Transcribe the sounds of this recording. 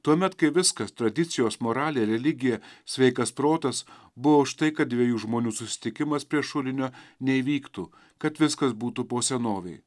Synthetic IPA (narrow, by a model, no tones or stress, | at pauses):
t̪uɔmʲɛt̪kɐɪʋʲɪskɐst̪ɾɐd̪ʲɪt̪sʲɪjoːsmoːɾɑːlʲɪjɛɾʲɛlʲɪɡʲɪjɛsʲʋʲɛɪkɐspɾoːt̪ɐs | bʊʋoːʊʃt̪ɐɪkɐt̪̚d̪ʲʋʲiɛjuːʒmoːnʲuːsʊsʲɪ̥t̪ʲɪkʲɪmɐspʲɾʲiɛʃʊlʲɪnʲoːnʲɛiʋʲiːkt̪uː | kɐt̪ʋʲɪskɐsbuːt̪upoːsʲɛnoːʋʲɛɪ